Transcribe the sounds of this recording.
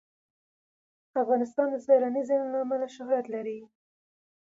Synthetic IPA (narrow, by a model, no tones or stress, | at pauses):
afɣɑnɪst̪ɑnd̪əzaɾanizɪnlaːmalaʃʊɦɾat̪laɾi